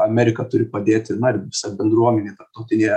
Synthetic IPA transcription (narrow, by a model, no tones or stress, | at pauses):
ɐmʲɛɾʲɪkɐt̪ʊɾʲɪpɐd̪ʲeːt̪ʲɪnʊɪrʋʲɪsɐbʲɛnd̪ɾuɔmʲɛnʲeːt̪ɐɾp̚t̪ɐʊt̪ʲɪnʲeː